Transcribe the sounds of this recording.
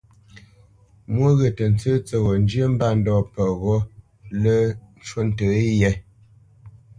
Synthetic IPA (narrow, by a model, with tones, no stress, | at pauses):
mwo˦ɣə˨tə˨n̩˨t͡səː˦t͡sə˨ɣɔ˨n˦d͡ʒjə˦m̩˦ba˦˨n̩˦dɔː˨pə˨ɣɔ˦ | lə˦n̩˦t͡ʃwo˦n̩˨tə˨i˦jɛ˨˦